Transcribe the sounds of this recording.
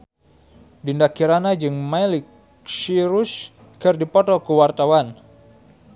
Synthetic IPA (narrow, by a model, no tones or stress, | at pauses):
dindakiɾanad͡ʒɨŋmalik | siɾus | kɨrdipɔt̪ɔkuwart̪awan